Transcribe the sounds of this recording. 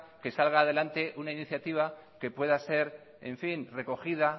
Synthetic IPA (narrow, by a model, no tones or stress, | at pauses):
ke̞salɣ̞aːð̞e̞lant̪e̞ʔunainiθjat̪iβ̞ake̞pwe̞ðase̞ɾ | eɱfinre̞ko̞xiða